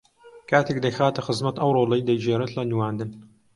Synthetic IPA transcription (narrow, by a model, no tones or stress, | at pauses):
kʰaːt̪ʰeːkd̪ɐjxaːt̪ɐxɨzmɐt̪ɐwroːlɐjd̪ɐjd͡ʒeːɾɨt̪lɐniwaːnd̪ɨn